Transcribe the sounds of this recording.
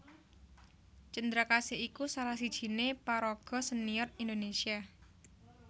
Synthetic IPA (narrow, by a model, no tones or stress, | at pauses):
t͡ʃənd̪ɾakasɪikusalahsid̥ʒ̥i̤nepaɾɔɡ̥ɔ̤sənijɔrind̪onesia